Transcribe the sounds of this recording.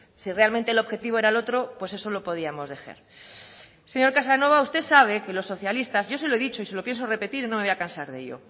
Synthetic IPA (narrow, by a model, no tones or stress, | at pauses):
sire̞almẽnt̪elo̞βxe̞t̪iβ̞o̞e̞ɾalo̞t̪ɾopwe̞se̞so̞lo̞po̞ð̞iamo̞zðe̞xḛɾ | se̞ɲo̞ɾkas̬ano̞β̞aust̪esaβ̞e̞ke̞lo̞sːo̞θjalist̪azʝo̞seloe̞ðit͡ʃo̞iselo̞pje̞nsore̞pe̞t̪iɾinomeojakansaɾðe̞̰ʎo̰